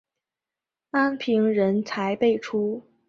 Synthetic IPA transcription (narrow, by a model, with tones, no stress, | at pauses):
a˥npʰi˧˥ŋɻə˧˥nt͡sʰa˧˥ɪpe˥˩ɪʈ͡ʂʰu˥